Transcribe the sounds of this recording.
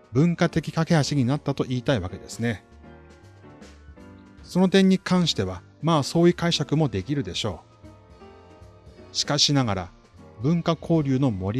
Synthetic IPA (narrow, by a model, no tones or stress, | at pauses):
bɯ̟̃ŋkat̪e̞kʲi̥kake̞haɕiɲ̟inat̪ːat̪o̞ʔiːt̪aiβake̞d̪e̞̰sɨne̞ | so̞no̞t̪ẽ̞ɲ̟ːikʰãɰ̃ɕi̥t̪e̞β̞a | maːso̞ːjɯ̟kaiɕakɯ̟mo̞d̪e̞kʲiɾɯ̟d̪e̞ɕo̞̰ː | ɕi̥kaɕinaɡaɾa̰ | bɯ̟̃ŋkakʰo̞ːɾʲɯːno̞mo̞ɾʲi